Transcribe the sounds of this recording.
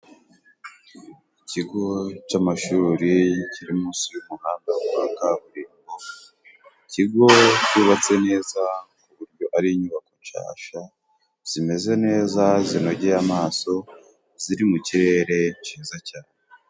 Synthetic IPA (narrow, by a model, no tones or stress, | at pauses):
iciɡo̞camaʃuːɾiciɾimuːsijumuhaːmɡawa̰ːŋɡaβuɾiːŋɡo | iciɡo̞cuβat͡se̞ne̞ːzakuβuɾɟjo̞ʔaɾiɲuβako̞ʃa̰ːʃa | z̥ime̞ze̞ne̞ːzazino̞ɟejamaːso̞ | ziɾimuciɾe̞ːɾe̞ʃiːzacaːnee